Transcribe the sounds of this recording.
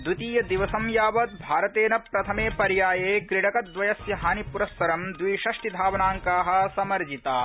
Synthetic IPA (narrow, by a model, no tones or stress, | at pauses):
d̪ut̪iːjɐd̪iʋɐsɐmjaːʋɐt̪̚bʱaːɾɐt̪eːnɐpɾɐt̪ʰɐmeːpɐɾjaːjeːkɾiɽɐkɐt̪̚d̪ʋɐjɐsjɐɦaːnipuɾɐsːɐɾɐmd̪ʋiːʃɐʂʈid̪ʱaːʋɐnaːŋkaːɦɐ̆sɐmɐɾd͡ʒit̪aː